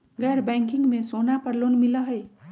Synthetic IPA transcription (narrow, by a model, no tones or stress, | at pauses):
ɡɛːɾbɛ̃ːŋkɪ̃ŋɡmẽsoːnapɐɾloːnmɪlaɦɛː